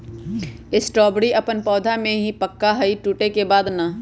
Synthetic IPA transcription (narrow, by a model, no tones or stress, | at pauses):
ɪsʈɾɔːbɽiʔɐpənpɔːd̪ʱamẽɦipəkːaɦɐiʈuːʈekebaːd̪na